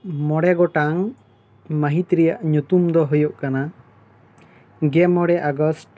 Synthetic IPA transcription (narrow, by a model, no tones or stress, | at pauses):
mɔɽɛɡɔʈaŋ | məɦit̪ɾijaʔɲut̪umd̪ɔɦujɔʔkana | ɡɛmɔɽɛʔaɡɔsʈ